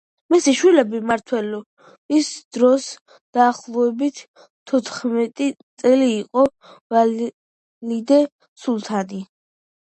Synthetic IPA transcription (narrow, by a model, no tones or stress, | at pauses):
misiʃwilɛbimaɾt̪ʰwɛlɔ | isd̪̥ɾɔs | d̪̥aːχlˠɔɛbit̪ʰː | ɔt̪ʰχmɛt̪ʼit̪sʼɛliːqʼɔ | va | lid̪ɛ | sulˠt̪ʰad̪i